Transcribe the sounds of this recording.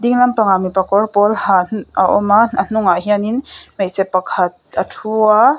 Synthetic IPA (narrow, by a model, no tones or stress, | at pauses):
d̪iŋlɐmpaŋamipɐkɔrpɔlhaaʔɔmaɐn̥uŋaɦianinmejt͡sɛt̚pɐkʰɐt̪̚atʰua